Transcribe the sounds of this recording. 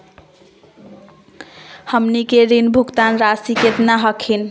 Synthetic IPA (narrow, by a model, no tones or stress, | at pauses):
həmnikeɾinbʱuɡt̪anɾasiket̪naɦʌkʰin